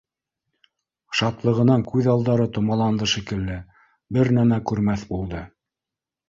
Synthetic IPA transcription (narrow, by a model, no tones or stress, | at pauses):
ʃɑt̪lˠɤ̆ʁɤ̆nɑŋkʉðɑlˠd̪ɑɾɤt̪ŏmɑlˠɑnd̪ɤʃikɘ̆lːɘ | bɘɾnæmækʉɾmæθbulˠd̪ɤ